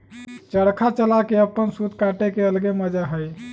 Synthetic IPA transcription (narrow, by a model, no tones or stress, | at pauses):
t͡ʃəɽkʰat͡ʃəlakeəpːənsut̪kaʈekeəlɡeməd͡ʒaɦəj